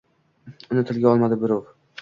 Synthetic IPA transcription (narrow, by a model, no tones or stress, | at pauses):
ʊnɪt̪ʰɪlɡʲaɒlˠmad̪ɪbɪɾov